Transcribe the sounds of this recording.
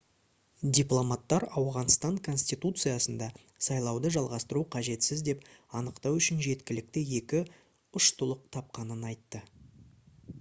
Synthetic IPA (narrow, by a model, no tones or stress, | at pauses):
d̪ʲiplˠomat̪ːɑɾɑwʁɑnst̪ɑŋkʰo̞nʲsʲt̪ijt̪ut̪sɨjasənd̪ɑ | sɑjlˠɑwd̪əʒɑlˠʁɑst̪əɾuqʰɑʒe̞t̪sɪzd̪e̞pɑnəqt̪ɑwʏʃɪnʒe̞t̪kʲɪlɪk̚t̪ɪje̞kʲɪ | ʊʃt̪ʊlˠəq̚t̪ʰɑp̚qɑnənɑjt̪ːə